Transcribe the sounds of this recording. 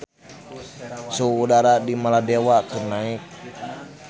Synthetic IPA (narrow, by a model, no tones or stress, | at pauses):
suudaɾadimaladewakɨrnaɪk̚